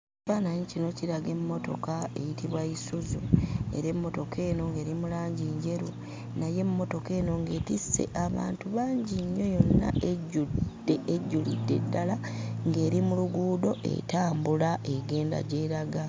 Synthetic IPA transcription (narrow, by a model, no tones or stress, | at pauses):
cifaːnaɲicino̞ciɾaɡe̞mːo̞to̞̰kae̞̰jitʰiβwaisuzue̞̰ɾe̞mːo̞to̞ke̞ːno̞ŋɡe̞ːɾimulaːɲɟiːɲɟe̞ɾu | naje̞mːo̞to̞ke̞ːno̞ŋɡe̞ːtise̞̰ʔaβa̰ːntuβaːɲɟiɲːo̞jo̞nːa̰eɟu̥ | eʔeɟːulidːe̞̰dːalaŋɡe̞ːɾimuluɡuːdo̞ʔḛtaːmbulaʔeɡe̞ːnda̰ɟe̞ːɾaɡa